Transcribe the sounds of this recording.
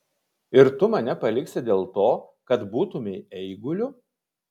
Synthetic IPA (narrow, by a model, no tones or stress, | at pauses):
ɪɾt̪ʊmɐnʲɛpɐlʲɪksʲɪd̪ʲeːlˠt̪oːkɐt̪buːt̪ʊmʲɛɪɛɪɡʊlʲʊ